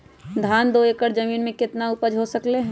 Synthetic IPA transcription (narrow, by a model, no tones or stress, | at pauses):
d̪ʱaːnd̪oekəɾd͡ʒəmiːnmẽkɪt̪naʊpəd͡ʒɦosəkleɦɛ̃